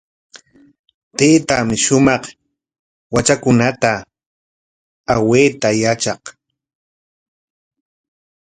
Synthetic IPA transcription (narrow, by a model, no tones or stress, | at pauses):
t̪eːt̪amɪʃʊmɑχ | wat͡ʃakʊnat̪a | aweːt̪ajat͡ʃɑq